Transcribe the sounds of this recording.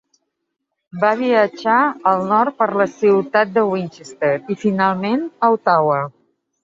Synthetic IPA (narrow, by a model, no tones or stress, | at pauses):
baβiəd͡ʒaəlˠnɔɾt̪̚pəɾləsiwt̪at̪̚d̪əwint͡ʃest̪eɾifinalˠmenəwt̪awə